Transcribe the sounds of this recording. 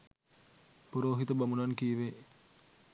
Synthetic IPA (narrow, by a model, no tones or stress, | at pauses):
puɾoːɦit̪əbamunankiʋe